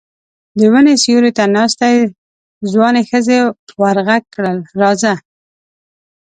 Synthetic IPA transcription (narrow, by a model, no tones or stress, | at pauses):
d̪əwənesjuɾet̪anɑst̪aj | zwɑnexəzewaɾɣaɡ̚kɽəlɾɑza